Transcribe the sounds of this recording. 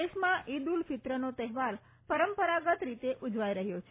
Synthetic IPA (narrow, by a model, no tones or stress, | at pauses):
eʃmãʔid̪ulfɪt̪ɾənot̪ɛɦʋaɾ | pəɾəmpəɾaɡət̪ɾit̪eʔud͡ʒʋajɾəɦjot͡ʃʰ